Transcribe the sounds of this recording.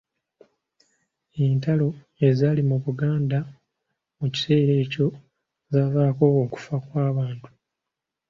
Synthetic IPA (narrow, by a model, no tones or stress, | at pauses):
entalo̞ | ezaːlimuβuɡaːnda | muci̥se̞ːɾe̞ːco̞ | zaːvaːko̞ːku̥fakwaːβaːntu̥